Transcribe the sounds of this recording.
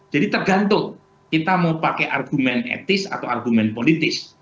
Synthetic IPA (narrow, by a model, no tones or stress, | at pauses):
dd͡ʒ̥adit̪ərɡant̪ʊŋ | kit̪amaupakɛʔarɡumɛnɛ̰t̪ɪsa̰t̪awarɡumɛnpolit̪ɪs